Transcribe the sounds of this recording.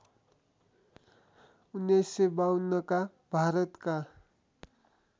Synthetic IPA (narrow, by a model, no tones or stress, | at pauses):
unːesebawnːʌka | bʱaɾʌt̪ka